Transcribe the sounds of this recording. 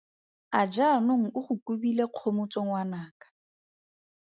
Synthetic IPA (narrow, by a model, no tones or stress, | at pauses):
ad͡ʒanoŋ̩ʊχʊkʼubileq͡χʰomʊt͡sʼoŋ̩wanaːkʼḁ